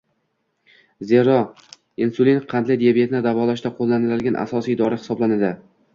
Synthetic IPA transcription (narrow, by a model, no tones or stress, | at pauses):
zeɾɒ | insulinqʰɑnd̪lɪd̪iabet̪nɪd̪avɒlaʃ̬d̪aqʰolˠːanɪlɪlɡʲanʔa̰sɒsijd̪ɒɾɪhɪ̥sɒblanad̪ɪ